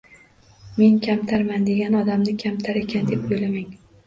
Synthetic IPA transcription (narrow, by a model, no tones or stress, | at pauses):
me̞nkʲʰamt̪ʰaɾmand̪e̞ɡʲanɒd̪amnɪkʲʰamt̪ʰaɾe̞kʲʰand̪e̞pojlamaŋ